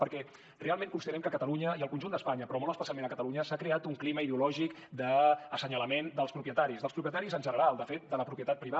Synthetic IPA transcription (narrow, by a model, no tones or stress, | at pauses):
pəɾkɛ | realˠmẽŋkunst̪əɾɛmkəkət̪əluɲəiəlˠkunʲʒund̪əspaɲəpɾɔmolˠəspəsjamẽnəkət̪əluɲəsakɾeat̪uŋkliməiðeulɔʒik | d̪əːsəɲələmend̪əlˠspɾupjət̪aɾizðəspɾupjət̪aɾizənʒənəɾalˠd̪əfet̪̚d̪ələpɾupjət̪at̪̚pɾiβa